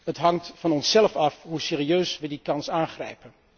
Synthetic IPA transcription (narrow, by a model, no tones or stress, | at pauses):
ɦətɦɑŋtfɑnɔnsːɛlfɑfɦusɪːriøːsʋədikɑnsaːnχrɛjpən